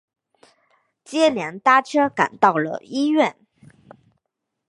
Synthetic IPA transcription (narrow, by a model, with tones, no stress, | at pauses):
t͡ɕjɛ˥ljɛ˧˥nt̪a˥˩ʈ͡ʂʰɤ˥ka̰˨˩nt̪ɑ˥˩ʊlə̰˩i˥ɥɛ˥˩n